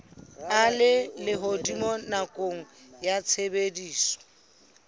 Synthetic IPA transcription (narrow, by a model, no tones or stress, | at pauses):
alɪlɪɦodimɔnakʼoŋ̩ | jat͡sʰebediːsɔ̥